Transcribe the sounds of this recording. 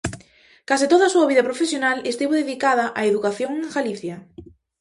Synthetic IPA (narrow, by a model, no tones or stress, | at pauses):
kasit̪oðaːsuɐβiðɐpɾofesjonalest̪iβoðeðikaðɐʔaeðukaθjoŋeŋɡaliθja